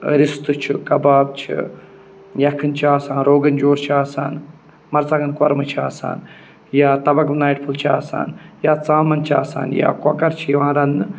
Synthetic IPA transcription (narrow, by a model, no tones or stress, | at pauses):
ɾɪst̪ɨt͡ʃʰikɐbaːb̚t͡ʃʰḭ | jɐkʰɨnt͡ʃʰaːsaːnɾoːɡɐnd͡ʒoːɾt͡ʃʰaːsa̰ːn | mɐɾt͡saɡɐnkɐɾmɨt͡ʃʰiaːsa̰ːn | jaːt̪ɐbɐkʋnaːjʈpʰult͡ʃʰa̰ːsa̰ːnjaːt͡saːmɐnt͡ʃʰaːsa̰ːnja̰ːkɐkɐɾt͡ʃʰijiʋãːɾɐnɨ